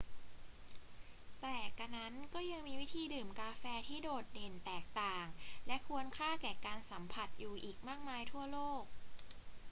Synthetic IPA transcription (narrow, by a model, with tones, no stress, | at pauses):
t̪ɛː˨˩kːa˧na˦˥nkɔː˥˩ja˧ŋmiː˧wi˦˥t̪ʰiː˧dɯː˨˩mkaː˧fɛː˧t̪ʰiː˥˩doː˨˩t̪̚de˨˩nt̪ɛː˨˩k̚t̪aː˨˩ŋlɛ˦˥kʰu˧ənkʰaː˥˩kɛː˨˩kaː˧nsa˩˦mpʰa˨˩t̪̚juː˨˩ʔiː˨˩k̚maː˥˩k̚maː˧jt̪ʰu˥˩ɐloː˥˩k̚